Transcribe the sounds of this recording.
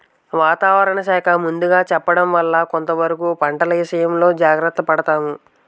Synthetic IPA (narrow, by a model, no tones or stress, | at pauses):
ʋaːt̪aːʋɐɾɐɳɐʃaːkʰɐmund̪uɡaːt͡ʃɛpːɐɽɐmʋɐlːɐko̞nt̪ɐʋɐɾikuːpɐɳʈɐlɐjiʃɐjɐmlo̞ːd͡ʒaːɡɾɐt̪ːɐpɐɽɐt̪aːmu